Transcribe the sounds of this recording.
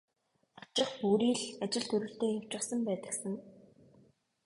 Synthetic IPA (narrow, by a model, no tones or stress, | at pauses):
at͡ɕɪ̆χpuːɾiːɮat͡ɕɪ̆ɮt̪ʰɵɾɵ̆ɬt̪eːxaw̥t͡ɕə̆sə̆mpæːt̪ə̆ksə̆ŋ